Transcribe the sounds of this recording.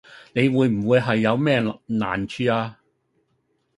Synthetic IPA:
ne˨˧jwuː˨˧jm̩˨˩wuː˨˧jɦɐ˨jːɐ˨˧wmɛː˥na̰ː˨nt͡ʃʰyː˧aː˧

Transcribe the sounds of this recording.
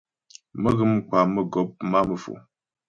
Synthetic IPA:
mə˦ɣɨ˦m˦kwa˨mə˦ɡɔ˨˦p̚ma˦mə˨fo̰˨

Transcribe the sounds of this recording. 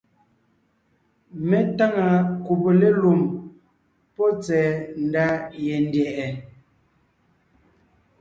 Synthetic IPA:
mɛ˦ta˦ŋa˨ku˨bo˨le˦lu˨m | pɔ˦t͡sɛː˨˦n̩˨da˦jɛ˨n˦djɛ˨ʔɛ˨

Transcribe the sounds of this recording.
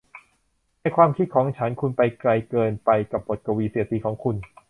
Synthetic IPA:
na˧˩jkʰwaː˧mkʰi˦˥˩kʰɔː˩˦ŋt͡ɕʰa˦˥nkʰu˧npa˧jkla˧jkɤː˧npa˧jka˨˩p̚bo˨˩t̪̚ka˧wiː˧si˨˩˦ət̪iː˧˩kʰɔː˩˦ŋkʰu˧n

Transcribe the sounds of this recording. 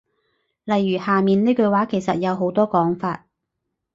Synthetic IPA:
lɐ˨jːyː˨˩haː˨miː˨neː˥kɵ˧waː˨˥kʰe˨˩jsɐ˨t̚jɐ˨˧wɦo˨˥wt̪ɔː˥kɔː˨˥ŋfaː˧t̚

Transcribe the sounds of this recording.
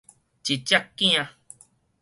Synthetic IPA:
t͡ʃi˨t͡ʃa˦kːĩ˦ã˧

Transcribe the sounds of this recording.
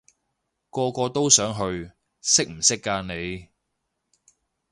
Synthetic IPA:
kɔː˧kɔː˧t̪o˥wsœː˨˥ŋɦɵ˧ɥ | sɪ˥k̚m̩˨˩sɪ˥kːaː˧nne˨˧j

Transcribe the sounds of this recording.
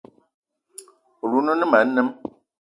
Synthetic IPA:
o˨lu˦nu˦nɨ˦ma˨˦n̩˦nɨ˦m

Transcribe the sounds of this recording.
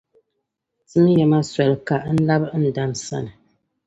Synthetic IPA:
sɨ˦m˦jɛ˨ma˦swɛ˨lka˨ʔn̩˦la˦bn̩˨da˦nsa̰˦nɨ˨

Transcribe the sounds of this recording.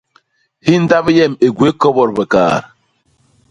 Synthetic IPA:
hi˦n̩˦da˦bjɛ˦˨me˨ɡwe˨˦kɔ˦bɔ˨ɾbə˨ka̰ː˨ɾ

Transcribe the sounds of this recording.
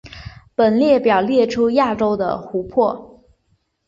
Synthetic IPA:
pə˨˩nljɛ˥˩pjɑ˨˩ʊljɛ˥˩ʈ͡ʂʰu˥ja˥˩ʈ͡ʂo˥ʊd̪ə̰˨xu˧˥pʰwɔ˥˩

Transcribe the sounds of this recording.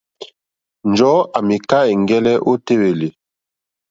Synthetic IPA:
nd͡ʒɔ˨˦a˨mi˨ka˦e˨ŋ˨ɡɛ˦lɛ˦ʔo˦te˦we˨le˨

